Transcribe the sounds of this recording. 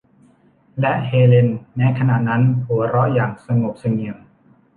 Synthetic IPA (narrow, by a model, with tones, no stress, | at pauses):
lɛ˦˥ʔheː˧le˧nːɛː˦˥kʰa˧na˨˩t̪̚na˦˥nhu˩˦ɐɾɔ˦˥ʔjaː˨˩ŋsa˧ŋo˨˩p̚sa˧ŋi˨˩əw